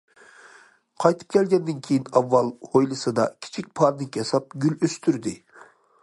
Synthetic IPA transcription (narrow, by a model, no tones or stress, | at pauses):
qʰɑjt̪ʰɯ̥p̚kʲʰɛlɡʲɛnd̪ɪnkʲʰejinɑvːɑlˠhojlˠɨsɨd̪ɑ̰kʲʰi̥t͡ʃʰik̚ʲpʰɑɾd̪ɨŋkʲʰsɑp̚ɡʲyløst̪ʰyɾd̪ɪ